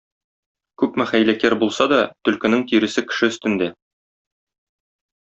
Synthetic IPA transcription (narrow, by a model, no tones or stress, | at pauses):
kʉpmæχæjlækæɾbulˠsɑd̪ɒt̪ɵ̆lkɘ̆nɘŋt̪iɾɘ̆sɘkɘ̥̆ʃɘɵ̆st̪ɘ̆nd̪æ